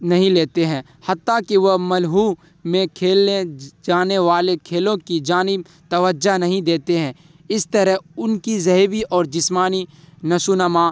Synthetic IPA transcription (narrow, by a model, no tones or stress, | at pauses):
nɐɦĩleːt̪eɦɛ̃ː | hɐt̪ːakiʋɐɦmɐlɦuː | mẽkʰeːled͡ʒaːneʋaːlekʰeːlõkid͡ʒaːnɪb̚ | t̪ɐʋəd͡ʒanɐɦĩd̪eːt̪eɦɛ̃ː | ɪst̪əɾəɦʊnkizɐɦbiʔɔːɾd͡ʒɪsmaːni | nɐsunama